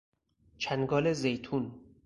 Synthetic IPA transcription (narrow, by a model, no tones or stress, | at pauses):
t͡ʃʰænɡɒːlezejt̪ʰun